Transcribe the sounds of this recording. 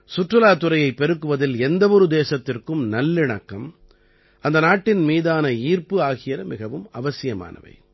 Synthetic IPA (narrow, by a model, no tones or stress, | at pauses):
sʊʈrɯlaːt̪ɯɾɐjɐɪpːɛɾɯkːɯʋɐðɪlɛnd̪ɐʋɔɾɯd̪eːsɐt̪ːɪrkɯmnɐlːɪɳɐkːɐm | ʔɐnd̪ɐnaːʈːɪnmiːðaːnɐiːrpɯaːɣɪjɐɾɐmɪɣɐʋɯmɐʋɐsɪjɐma̰ːnɐ̰ʋɐ̰ɪ